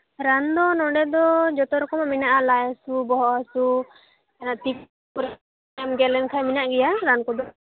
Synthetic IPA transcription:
ɾand̪ɔnɔɖɛd̪ɔd͡ʒɔt̪ɔɾɔkɔmaminaʔalajasubɔɦɔʔasu | ɛnat̪ik | ɔɾ | ɛmɡɛlɛnkʰajminaʔɡɛjaɾankɔd̪ɔ

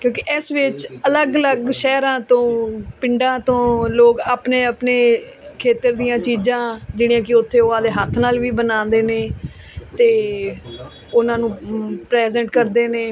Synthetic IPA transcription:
kjõːkɪʔɪsʋɪt͡ʃələɡələɡʃɛːɾãːt̪õːpɪɳɖãːt̪õːloːkaːpneːəpneː | kʰeːt̪əɾd̪ijãːt͡ʃiːd͡ʒãːd͡ʒɪɽĩjãːk̬ɪʊt̪ʰːeːoːãːd̪eːɦət̪ʰːnaːlʋiːbənãːnd̪eːneː | t̪eː | ʊnãːnũːpɾɛːzɛːɳʈkəɾd̪eːneː

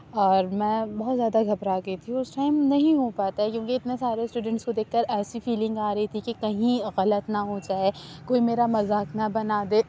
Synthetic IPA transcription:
ɔːɾmɛ̃ːbɔɦɔt̪zjaːd̪aɡʱɐbɾaːɡɐit̪ʰiʊsʈaːɪmnɐɦĩɦopaːt̪aɦɛkjõːkeɪt̪nesaːɾesʈuːɖə̃ɳʈskod̪eːkʰkɐɾɛːsifiːlɪ̃ŋɡaːɾɐɦit̪ʰikekɐɦĩɣɐlət̪nɐɦoːd͡ʒaːekoːimeːɾamɐzaːknabɐnaːd̪eː

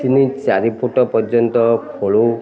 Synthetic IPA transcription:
t̪init͡ʃaɾipʰoʈɔpɔɾd͡ʒjɔnt̪ɔkʰoɭu

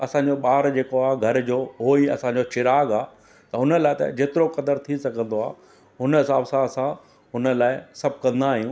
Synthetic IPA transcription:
ɐsãɲd͡ʑoɓaːɾd͡ʑeːkoaːɡʱɐɾd͡ʑoːɦoːiɐ̰sãɲ̆d͡ʑot͡ɕɪɾaːɡaː | t̪ɐɦʊnəlaːɪt̪ɐ̰d͡ʑeːt̪ɪɾokɐd̪əɾt̪ʰisɐɡʱə̃nd̪oa̰ː | ɦʊnəɦɪsaːbsãsã | ɦʊnə̆laːɪsɐbʱkɐ̃nd̪aːɦijũː

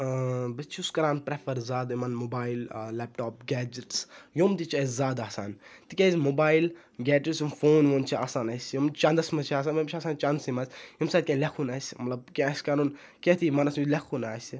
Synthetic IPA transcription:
bɐt͡ʃʰiuskɐɾaːnpɾefʰɐɾzaːd̪imɐnmobaːillːɛːp̚ʈoːp̚ɡʲɛːd͡ʒiʈsjoːmt̪it͡ʃɐzzaːd̪aːsaːnt̪ikʲezʲmobaːil | ɡʲɛːd͡ʒisjumfoːnʋont͡ʃʰia̰ːsaːnɐsʲjumt͡ʃɐnd̪ɐsmɐt͡ʃʰiaːs̬aːnʋɐmt͡ʃʰaːsaːnt͡ʃɐnd̪simɐzʲjumsaːd̪̚kʲẽnlʲekʰunɐːsʲmɐt̪lɐb̚kʲẽɐsʲkanun | kʲet̪ʰimɐnɐsjulekʰunaːsi

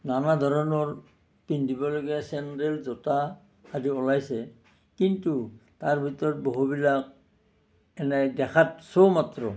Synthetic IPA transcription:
nanadʱɔɹɔnɔɹ | pindʱibɔlɔɡiɛsɛntɛlzɔtaː | diɔlajsɛ | kintutaɹbʱitɔɹɔt̚boɦubilak̚ | ɛnɛdɛkʰatsomatɹɔ

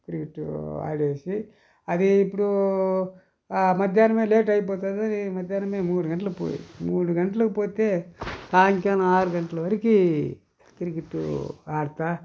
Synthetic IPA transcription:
k̪iɾiɡiʈːua̰ːɽeːsi | ɐd̪iːpːuɽu | mɐd̪ʱjaːnɐmeːleːʈ̬ɐjp̬ɔːt̪aːd̪ɐdimɐd̪ʱjaːnɐmeːmuːɽuɡɐɳʈɐlɐkpo̰ːjḭmuːɽuɡɐɳʈɐlɐkipoːt̪e̞ːt̪aːŋkaːnɐaːɾuɡɐɳʈɐlɐʋɐɾiki | k̪iɾiɡiʈːṵaːɽt̪aː

